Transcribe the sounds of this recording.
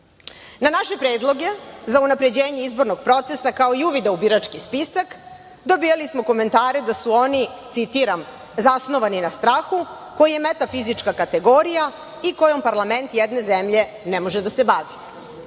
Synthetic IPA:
nanaʃe̞pɾeːd̪lˠo̞ɡe̞zaunapɾe̞d͡ʑe̞ːɲeizbo̞ɾnoɡ̚pɾo̞t̪se̞sakao̞iuʋid̪aubiɾat͡ʂkispisak | d̪o̞bijalismo̞ko̞me̞nt̪aːɾed̪asuo̞nit̪sit̪iɾam | zasno̞ʋaninast̪ɾaːxu | ko̞jije̞met̪afizit͡ʃkakat̪eɡo̞ɾija | ikojo̞mpaɾlˠame̞nt̪jɛd̪ne̞zemʎe̞ | nɛmo̞ʒed̪asebaʋi

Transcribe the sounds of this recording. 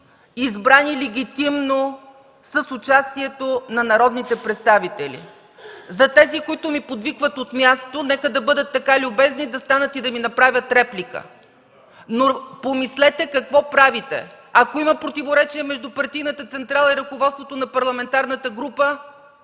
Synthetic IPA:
izbɾanilɛɡ̟ʲit̪imno | səsʊt͡ʃast̪iɛt̪onɐnɐɾɔd̪nit̪ɛpɾɛt̪st̪avit̪ɛlʲḭ | zɐt̪ɛzikoit̪ʊmipod̪vikvət̪ot̪mʲjast̪onɛkəd̪ɐbɤd̪ət̪ːɐkalʲʊbɛznid̪ɐst̪anət̪id̪ɐminɐpɾavʲjət̪ɾɛplʲikə̰ | nopomislɛt̪ɛkɐkvɔpɾavit̪ɛ̰ | ɐkoimɐpɾot̪ivoɾɛt͡ʃiɛmɛʒd̪upɐɾt̪ijnət̪ət̪sɛnt̪ɾalˠəiɾɐkovɔt̪st̪vot̪onɐpɐɾlˠɐmɛnt̪aɾnət̪əɡɾupə

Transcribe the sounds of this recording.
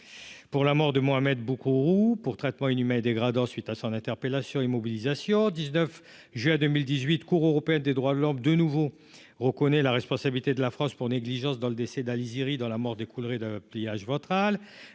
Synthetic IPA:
puʁlamɔʁd̪əmoamɛd̪̚bukuʁupuʁt̪χɛt̪mɑ̃inymɛ̃d̪eɡʁad̪ɑ̃sɥit̪asɔ̃nɛ̃t̪ɛʁpelasjɔ̃emɔbilizasjɔ̃d̪iznœf | ʒɥɛd̪ømild̪izɥit̪kuʁøʁɔpeɛnd̪ed̪ʁwad̪əlɔmd̪ənuvo | ʁəkɔnɛlaʁɛspɔ̃sabilit̪ed̪əlafχɑ̃spuʁneɡliʒɑ̃sd̪ɑ̃ləd̪esɛd̪aliziʁid̪ɑ̃lamɔʁd̪ekʰulʁed̪əplijaʒvɔ̃t̪χal

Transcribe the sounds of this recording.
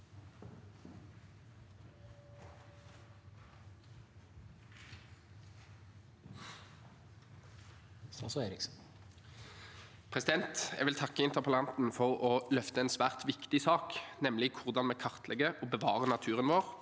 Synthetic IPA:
sɑseːɾɪks | pʰʁɛsɪd̪ɛnt̪ɛ̰ɡʋɪlt̪ʰɑkːəɪnt̪əʁpʰəlɑnt̪n̩fɔʁɔlœft̪əɛːnsʋæːʁt̪ʋɪkt̪ɪsɑːknɛmlɪkʰʊʁd̪ɑnmɛːkʰɑʁt̪ʰlɛɡəʔoːbəʋɑːʁənɑt̪ʰʉːʁənʋoːʁ

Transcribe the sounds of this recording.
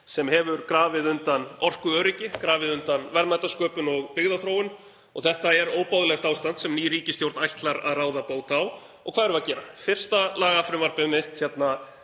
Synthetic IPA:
sɛmhɛvʏɾkɾaːvɪðʏnt̪anɔr̥kʏœːɾɪcɪkɾaːvɪðʏnt̪anvɛɾmajt̪askœːpʏnɔɣpɪɣðaθɾoːwɪn | ɔɣθɛht̪aɛɾoːwpawðlɛxt̪aːwst̪ant̪sɛmniːɾiːcɪst̪jowɾt̪najht̪laɾa̰ðraːwðapoːwt̪ːw | ɔɣkʰvaːðɛɾʏaðcɛːɾafɪr̥st̪alaːɣafɾɪmvar̥pɪðmɪht̪çjɛt̪na

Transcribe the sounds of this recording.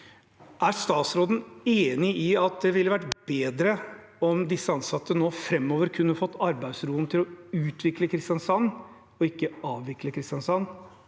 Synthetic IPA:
ʔæɾst̪ɑːt̪sɾoːd̪n̩eːnɪɪɑt̪̚d̪ɛʋɪlːəʋæʈb̥eːd̪ɾə | ɔmd̪ɪsːəɑnsɑt̪ːənoːfɾɛmːoːʋəɾkʰʉnːəfɔt̪ːɑɾbæɪd̪sɾuːnt̪ʰɪlɔʉːt̪ʰʋɪkləkʰɾɪst̪jɑnsɑnː | ɔɪkːəɑːʋʋɪkləkʰɾɪst̪jɑnsɑnː

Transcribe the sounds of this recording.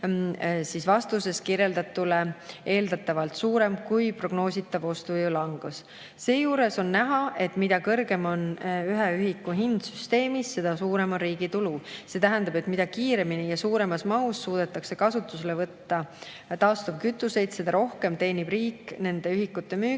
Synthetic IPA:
sisvɑst̪use̞skirje̞ld̪ɑt̪ːule̞e̞ːld̪ɑt̪ːˑɑvɑlt̪suːɾe̞mkujpro̞ɡ̥no̞ːsit̪ːˑɑvo̞st̪uvijulɑŋɡ̥us | se̞ːjuːɾe̞so̞nːæɦɑʔe̞t̪mid̪̥ɑkɤ̞rɡ̥e̞mo̞nyɦeyɦikːˑuɦind̪̥syst̪e̞ːmisːe̞d̪̥ɑsuːɾe̞mo̞nriːɡ̥it̪uluse̞ːt̪æɦænd̪ɑbe̞t̪mid̪̥ɑkiːɾe̞minijɑsuːɾe̞mɑsmɑusːuːd̪̥e̞t̪ːˑɑkse̞kɑsut̪ːˑuselevɤt̪ːɑ | t̪ɑːst̪ob̥kyt̪ːˑuse̞jd̪̥se̞d̪ɑɾo̞hke̞mt̪e̞ːnʲib̥riːkne̞nd̪e̞yɦikːˑut̪ːˑe̞myː

